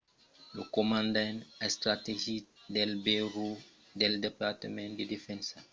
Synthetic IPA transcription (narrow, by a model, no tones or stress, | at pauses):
lukomãndanɐstɾateʒidɛlbeɾu | dɛldepaɾtəmɛ̃ndedefɛnsa